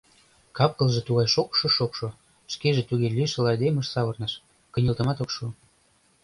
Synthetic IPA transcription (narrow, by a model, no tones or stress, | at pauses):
kɑp̚kɤ̆lˠʒet̪uɣɑjʃokʃoʃokʃo | ʃkeʒĕt̪uɣelʲyʃə̆lɑjd̪emə̆ʃsɑβɤrnɤʃ | kɤ̆nʲə̆lt̪ə̆mɑt̪okʃu